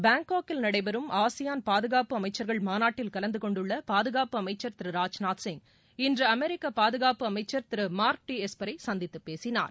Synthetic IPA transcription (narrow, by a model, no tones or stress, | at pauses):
baːŋkoːkɪlnɐɽɐɪbɐɾɯmaːsɪjaːnpaːðɯɣaːpɯɐmɐɪt͡ʃːɐɾɣɐɭmaːnaːʈːɪlkɐlɐnd̪ɯkɔɳɖɯɭːɐpaːðɯɣaːpɯɐmɐɪt͡ʃːɐɾt̪ɪɾɯɾaːd͡ʒnaːʈsɪŋ | ɪndrɐɐmɛɾɪkːɐpaːðɯɣaːpɯɐmɐɪt͡ʃːɐɾt̪ɪɾɯmaːɾʈːiɛspɐɾɐɪsɐnd̪ɪt̪ːɯpːeːsɪna̰ːɾ